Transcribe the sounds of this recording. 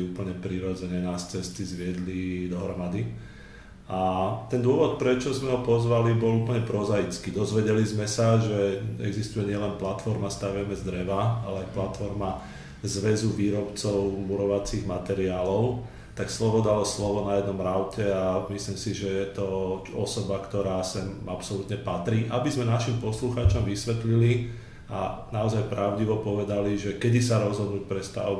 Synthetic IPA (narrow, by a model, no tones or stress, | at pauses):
uːpl̩ɲɛpɾiɾɔd͡zɛɲɛnast͡sɛst̪izʋɪɛd̪lid̪ɔɦɾɔmad̪i | at̪ɛnd̪ʊɔʋɔt̪̚pɾɛt͡ʃɔzmɛɦɔpɔzʋalibɔluːpəɲɛpɾɔzajit͡skiːd̪ɔzʋɛɟɛlizmɛsaʒɛɛ̰ɡzist̪ujɛɲɪɛlɛnplat̪fɔɾmast̪aʋɛmɛzd̪ɾɛʋaa̰lɛajplat̪fɔɾma | zʋɛzuʋiːɾɔpt͡sɔʊmuɾɔʋat͡siɣmat̪ɛɾiaːlɔʊ | t̪akslɔʋɔd̪alɔslɔʋɔnajɛd̪nɔmɾaʊcɛamislimsiʒɛjɛt̪ɔɔsɔbakt̪ɔɾaːsɛmapsɔlut̪ɲɛpat̪ɾiːʔabizmɛnaʃimpɔsluxaːt͡ʃɔmʋisʋɛt̪lili | a̰naɔzajpɾaʊɟiʋɔpɔʋɛd̪aliʒɛkɛd̪isaɾɔzɦɔd̪nuːc̚pɾɛst̪a̰